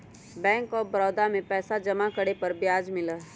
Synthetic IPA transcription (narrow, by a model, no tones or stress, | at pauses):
bɛ̃ːŋkɔːbɐɾɔːd̪amẽpɛːsad͡ʒɐmakəɽepɐɾbjaːd͡ʒmɪlə